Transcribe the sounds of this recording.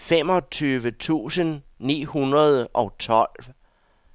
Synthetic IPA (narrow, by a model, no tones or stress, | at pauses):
femɒ̽t͡sʰyːʋət͡sʰṵːsənː | ḭːhunɐð̞ˠʔɒ̽t͡sʰɒ̽l̰ʋ